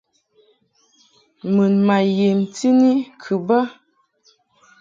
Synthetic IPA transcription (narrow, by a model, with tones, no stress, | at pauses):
mɨ˨nma˨je˨mti˦ni˦kʰɨ˨ba˦